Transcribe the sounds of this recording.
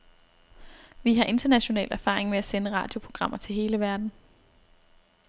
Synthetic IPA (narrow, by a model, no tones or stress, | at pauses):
ʋiɦɑ̈ʔe̝nd̥ɐnæɕo̝nɛ̰ːlæɐfɑ̈ːʁeŋmeæsenəʁɑ̰̈ːd̥jo̝pʰʁo̝ɡ̥ʁɑ̈m̰ɐt͡sʰe̝lɦe̝ːləʋæɐd̥n̩